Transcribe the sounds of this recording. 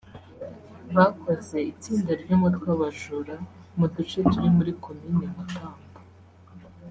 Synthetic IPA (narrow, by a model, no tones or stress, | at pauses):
βakʰoze̞it͡siːndaɾɟomutwaβaʒuɾa | mudut͡ʃe̞tuɾimuɾikʰo̞minimakaːmbḁ